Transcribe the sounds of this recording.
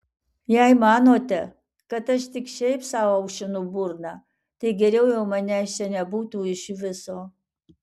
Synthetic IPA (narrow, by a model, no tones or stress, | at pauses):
jɛjmɑːnoːt̪ʲɛ | kɐt̪ɐʃt̪ʲɪkʃɛɪpsɑːwɐʊʃʲɪnʊbʊɾnɐ | t̪ɐɪɡʲɛɾʲɛʊjɛʊmɐnʲɛʃt͡ʃʲɛnʲɛbuːt̪uːɪʃʋʲɪsoː